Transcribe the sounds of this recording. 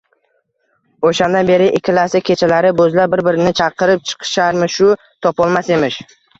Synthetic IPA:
oʃand̪anbe̞ɾɪʔɪkʲʰːɪlasakʲʰe̞t͡ʃʰalaɾɪbɵzlabɪɾbɪɾɪnɪt͡ʃʰɑqʰɨɾɪp̚t͡ʃʰɨ̥qʰɨ̥ʃaɾmɪʃʊ | t̪ʰɒpɒlˠmase̞mɪʃ

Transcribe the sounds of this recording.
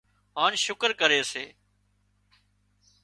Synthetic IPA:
ɦaːnʃʊkəɾkəɾeːseː

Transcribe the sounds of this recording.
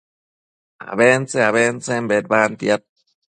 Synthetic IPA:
a̰βeːnt͡seaβeːnt͡sembet̪̚baːnt̪iat̪̚

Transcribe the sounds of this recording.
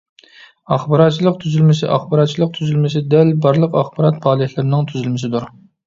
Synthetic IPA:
ɑχbɑɾɑt̪̚t͡ʃʰilˠəq̚t̪ʰyzylmɪsɪ̰ʔɑχbɑɾɑt̪̚t͡ʃʰilˠəq̚t̪ʰyzylmɪsɪd̪ɛlbɑɾlˠəqɑχbɑɾɑt̪̚bɑːlˠɨhʲlɨɾɪnɪŋt̪ʰyzylmɪsɪd̪uɾ

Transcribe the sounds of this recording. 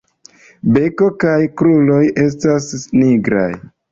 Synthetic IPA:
be̞ko̞kajkɾulo̞je̞s̬tasniɡɾa̰j

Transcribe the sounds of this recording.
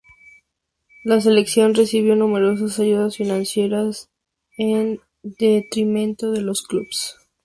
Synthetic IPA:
las̬e̞le̞ksjo̞nre̞siβ̞jo̞nume̞ɾo̞s̬asaʝuðasfinãnsje̞ɾas | en | d̪e̞t̪ɾimẽ̞nt̪o̞ðe̞lo̞skluβs

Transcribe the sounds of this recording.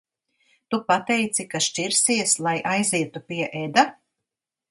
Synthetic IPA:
t̪upat̪ɛjt̪sikaʃt͡ʃʲiɾsiɛslˠajʔajziɛt̪upiɛʔed̪a

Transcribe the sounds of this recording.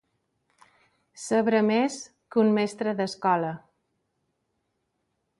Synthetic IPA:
səβɾəmes | kunmɛst̪ɾəðəskɔlə

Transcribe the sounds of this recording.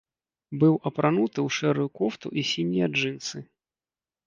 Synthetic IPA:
bɨwʔɐpɾʔanut̪ɨwʂɛɾujukɔft̪ṵʔisʲinʲːijɐʐɨnt̪sɨ

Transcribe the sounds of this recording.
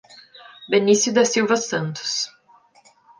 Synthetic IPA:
benisjʊd̪ɐsiwvɐsɐ̃nt̪ʊ̥s

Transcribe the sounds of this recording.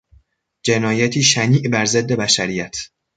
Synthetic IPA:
d͡ʒe̞nɒːjæt̪ʰiːʃæniːʔbæɾze̞d̪ːe̞bæʃæɾijæt̪ʰ

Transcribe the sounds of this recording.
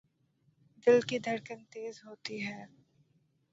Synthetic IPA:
d̪ɪlkid̪ʱɐɾkənt̪eːzɦoːt̪iɦɛː

